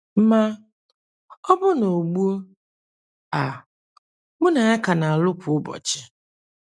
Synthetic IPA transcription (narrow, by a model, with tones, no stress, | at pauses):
m̩˦ma˦ | ɔ˦bʊ˦no˨ɡ͡bu˦o˦ | a˨ | mʊ˦na˨ɪ˦ka˨na˨a˨lʊ˦kʷʰʊ˨ʊ˦bɔ̰˨t͡ʃɪ˨